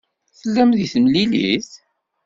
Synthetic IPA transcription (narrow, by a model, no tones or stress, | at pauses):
θəlːæmðiθəmlilḭθ